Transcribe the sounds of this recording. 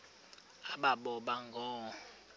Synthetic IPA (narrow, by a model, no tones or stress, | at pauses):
aɓaɓɔɓaŋɡʱɔː